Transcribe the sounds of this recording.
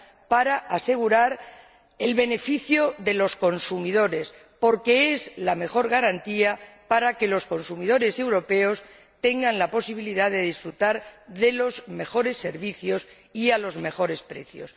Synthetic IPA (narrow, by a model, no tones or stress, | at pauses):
paɾaʔase̞ɣ̞uɾaɾ | e̞lβe̞ne̞fiθjo̞ðe̞lo̞sko̞nsumiðo̞ɾe̞s | po̞ɾke̞ezlame̞xo̞ɾɣaɾant̪iapaɾake̞lo̞sko̞nsumiðo̞ɾe̞se̞wɾo̞pe̞os | t̪e̞ŋɡanlapo̞siβ̞iliðaðe̞ðisfɾut̪aɾðe̞lo̞zme̞xo̞ɾe̞sːe̞ɾβiθjo̞s | ialo̞zme̞xo̞ɾe̞spɾe̞̰θjo̞̰s